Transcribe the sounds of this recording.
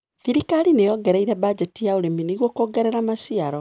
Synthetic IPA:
θiɾikaɾinejɔɡɛɾɛiɾɛbad͡ʑɛtijaoɾeminiɣwɔkoːɡɛɾɛɾamasiaɾɔ

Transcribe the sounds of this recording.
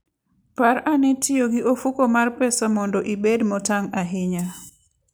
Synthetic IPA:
paɾanɛtʰɪoɡɪʔofukomarpɛsamɔndɔʔibedmɔtaŋaɦɪɲa

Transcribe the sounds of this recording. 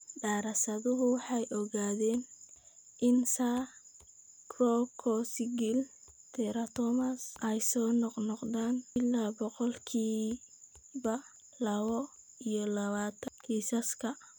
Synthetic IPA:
ɖaːɾɐsɐðʊɦʊwɑħɑjʔɔɣaːðɛːn | ʔɪnsa | kʰrɔkʰɔsɪɡɪl | t̪ʰɛɾɐt̪ʰɔmɐsʔɛjsɔːnɔqnɔqðaːnɪlːaːbɔqɔlkʰiː | βɐ | lɐβɔ | ijɔlɐβaːt̪ʰɐnkʰiːsɐskʰɐ

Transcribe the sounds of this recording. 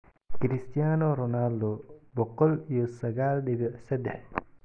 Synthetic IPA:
kɪɾɪst̪ʰijaːnɔɾɔnald̪ɔbɔqɔlijɔsɐɣaːlɖɪβɛsɛd̪ɛħ

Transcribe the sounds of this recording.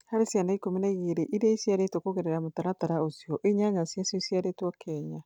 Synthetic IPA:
haɾesianaikominaiɣeːɾeʔiɾaisjaɾetwokoɣeɾɛɾamotaɾataɾaosjɔʔeɲaɲasjasiɔsjaɾetwɔkʰɛɲa

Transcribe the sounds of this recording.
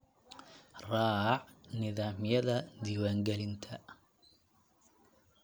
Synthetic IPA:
rɑːʕnɪðaːmjɐðɐd̪iːwaːŋɡɛlɪnt̪ʰɐ

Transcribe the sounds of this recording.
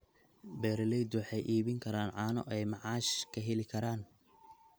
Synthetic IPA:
bɛːɾɪlɛjd̪ʊwɑħɑjʔiːβɪŋkʰɐɾaːnʕɑːnɔ̰ʔɛjmɑʕɑːʃkʰɐɦɛlɪkʰɐɾaːn

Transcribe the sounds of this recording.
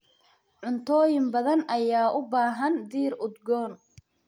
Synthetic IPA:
ʕʊnt̪ʰɔːjɪmbɐðɐnʔɐjaːʔʊbaːɦɐnd̪iːɾʊd̪ɡɔːn

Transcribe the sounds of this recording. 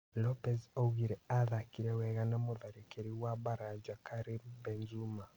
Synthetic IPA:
lɔpɛzɔɣiɾɛaðakiɾɛwɛɣanamoðaɾikeɾiwabaɾad͡ʒakaɾimbɛnzuma

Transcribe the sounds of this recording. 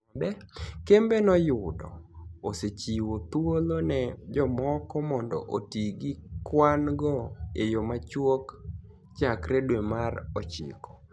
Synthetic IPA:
dɛkembenɔjʊdɔ̰oset͡ʃiwot̪wolonɛd͡ʒɔmɔkɔmɔndɔ̰ʔotiɡikwanɡɔejomat͡ʃwok | t͡ʃakɾedwɛmarɔt͡ʃɪ̰kɔ̥

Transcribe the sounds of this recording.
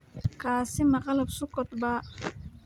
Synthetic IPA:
kʰaːsimɑqalɐbsʊkɔt̪ba

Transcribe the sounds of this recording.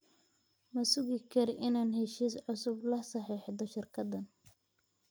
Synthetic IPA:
mɐsʊɣɪkʰɐrʔɪnaːnɦɛʃiːsʕʊsʊblɐsɐħiːħd̪ɔʃɪrkʰɐd̪ɐn

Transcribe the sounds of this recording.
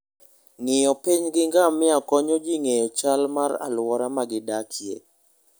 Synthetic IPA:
ŋɪjɔpiɲɡɪŋɡamːɪakɔɲod͡ʒɪŋejɔt͡ʃalmaɾa̰lwɔɾamaɡɪdakʰjḛ

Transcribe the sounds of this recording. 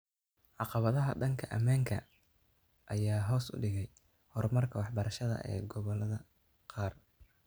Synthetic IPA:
ʕɑqɑβɐðɐɦɐɖɐŋkʰɐʔɐmaːŋkʰɐ̰ | ʔɐjaːɦɔːsʊ̰ɖɪɣɛj | hɔrmɐrkʰɐwɑħbɐɾɐʃɐðɐ̰ʔɛ̰ːɡɔβɔlɐðɐ | qɑːr

